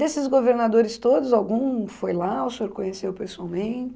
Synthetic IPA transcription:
esɪzɡoveɾnad̪oɾɪst̪od̪ʊzawɡũfojlaʊseoɾkõɲesewpesuawmẽt͡ʃɪ

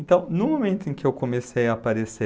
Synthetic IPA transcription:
ẽnt̪ɐ̃w̃nʊmomẽnt̪ʊẽŋkʲɪewkomesejɐːpaɾese

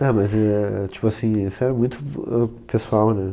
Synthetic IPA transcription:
ɐ̃mɐzɛt͡ʃi̥puasĩisɛɾɐmũj̃t̪ʊɛ̰pesuawnɛ

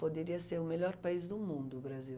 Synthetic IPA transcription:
pod̪eɾiɐseɾʊmeʎɔɾpaizd̪ʊmũnd̪ʊbɾazi

